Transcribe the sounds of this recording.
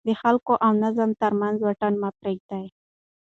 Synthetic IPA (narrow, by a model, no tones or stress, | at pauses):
d̪əxalkoʔawnazəmt̪aɾmanzwaʈanmapɾeɡ̚d̪aj